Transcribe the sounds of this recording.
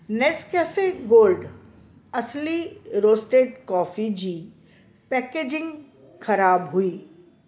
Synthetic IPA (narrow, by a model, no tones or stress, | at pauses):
neskɛːfeɡoːlɖ | ɐsliɾoːsʈeːʈkɔːfid͡ʑiː | pɛːkeːd͡ʒɪ̃ŋɡ | xɐɾaːbɦuiː